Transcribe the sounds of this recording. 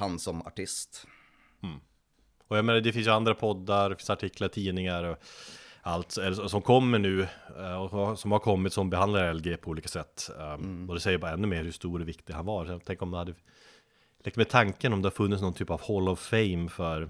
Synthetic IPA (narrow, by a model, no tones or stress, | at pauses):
hansɔma̰ʈɪst̪̩ː | ɔjaɡmeːnaɖɛfɪnsjand̪ɾapʰɔd̪ːaɾdɛfɪnsaʈʰɪklaɾʈʰiːnɪŋaɾɔ | alt̪sɛlːəsɔsɔmkʰɔmːəɳʉ̟ːɔsɔmhaɾkʰɔmːɪt̪sɔmbɛɦand̪laɾɛlɡeːpʰɔuːliːkasɛt̪ːɔd̪ɛsɛjːəɾbɑːɾaɛnːɵmeːɾhʉʂt̪uːɾɔvɪkt̪ɪɡhanvaɾsɔjat̪ʰɛŋkəɾɔmd̪ɛhad̪ːə | lɛk̚t̪mɛt̪ʰaŋkənɔmd̪ɛhaɾfɵnːɪtsnɔnt̪ʰyːpavhɔlːɔvfɛɪmfœɾ